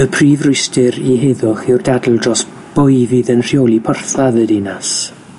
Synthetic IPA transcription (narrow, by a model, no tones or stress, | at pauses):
əpʰriːvrʊjstɪɾiɦeðʊχɪwrdadl̩ˠdrɔs | b̥ʊjviːðənr̥jolˠipʰɔrθaðədinas